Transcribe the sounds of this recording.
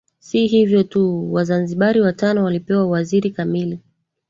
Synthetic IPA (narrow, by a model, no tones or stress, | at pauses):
siɦivjɔtuwazanziɓaɾiwatanɔwalipɛwawaziɾikamili